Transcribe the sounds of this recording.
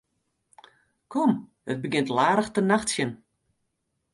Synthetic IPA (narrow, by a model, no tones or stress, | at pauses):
kʰɔm | ət̚bəɡɪntlaːɾəxtənaxtsjən